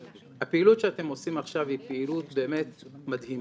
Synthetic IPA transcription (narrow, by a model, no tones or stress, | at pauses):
hapeilutʃeat̪e̞mo̞simaχʃavhipeilutbe̞ːmet̪madhim